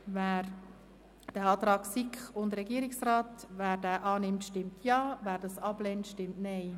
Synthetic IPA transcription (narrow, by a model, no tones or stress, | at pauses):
væːɾ | d̥ɛɑːt̪ɾɑːksikχʊndɾɛɡiəɾɪksrɾaːt̪væːɾdæːʔɑːnɪmtʃtɪmtʰjɑːvæːɾdɑsɑblɛntʃtɪmtnɛɪ